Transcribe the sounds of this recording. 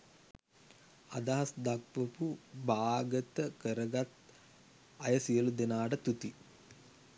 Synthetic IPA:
a̰d̪aɦasd̪akʋəpubaːɡət̪əkəɾəɡat̪ | ajəsijəlud̪enaːʈət̪ut̪i

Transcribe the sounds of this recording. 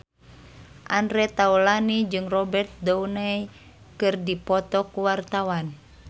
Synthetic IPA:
ʔandɾɛt̪aulanid͡ʒɨŋrɔbɛrt̪̚dɔunaj | kɨrdipɔt̪ɔkuwart̪awan

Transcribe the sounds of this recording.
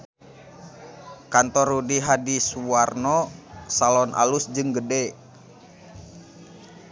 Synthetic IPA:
kant̪ɔrudiɦadisuarnɔsalɔnʔa̰lusd͡ʒɨŋɡədɛ

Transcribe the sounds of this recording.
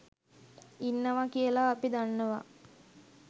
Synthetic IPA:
inːəʋakijəlaːpid̪anːəʋa

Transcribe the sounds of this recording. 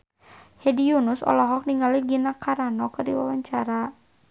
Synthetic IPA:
hɛdijunusɔ̰lɔɦɔk̚niŋaliɡinakaɾanɔkɨrdiwawaɲt͡ʃaɾa

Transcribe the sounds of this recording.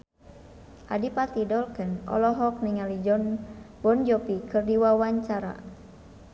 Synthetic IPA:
ʔa̰dipat̪idɔlkənɔ̰lɔɦɔk̚niŋalid͡ʒɔnbɔnd͡ʒɔpikɨrdiwawaɲt͡ʃaɾa̰

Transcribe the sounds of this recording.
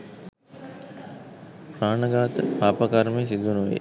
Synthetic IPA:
praːnəɡaːt̪əpaːpəkaɾmejsid̪unuʋḛ

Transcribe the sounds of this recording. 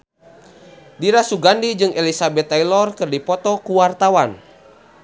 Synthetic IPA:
diɾasuɡandid͡ʒɨŋelisabɛt̪ːajlɔrkɨrdipɔt̪ɔkuwart̪awan

